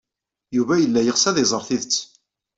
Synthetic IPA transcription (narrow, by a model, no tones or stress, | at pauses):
juvæjəlːæjəʁsæðɪzˤəɾˤθiðət͡sː